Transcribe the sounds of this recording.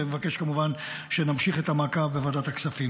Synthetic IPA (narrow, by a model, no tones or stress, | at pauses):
emevake̞ʃkamuvan | ʃenamʃiχet̪amakavbevad̪at̪aksafim